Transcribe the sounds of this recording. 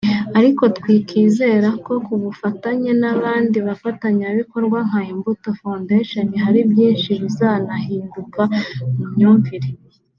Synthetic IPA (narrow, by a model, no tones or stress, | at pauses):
aɾiko̞tkwiːkʰiːze̞ɾako̞kuβufataɲe̞naβaːndiβafataɲaβiko̞ɾɡwaŋ̥hahimbuto̞fondeʃaniɦaɾibjiːnʃiβizaːnahiːndukamumɲuːmpiɾe